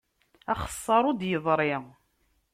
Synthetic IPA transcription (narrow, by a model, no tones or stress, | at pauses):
æχə̥sˤːɑɾˤʊd̪jəðˤɾˤɪ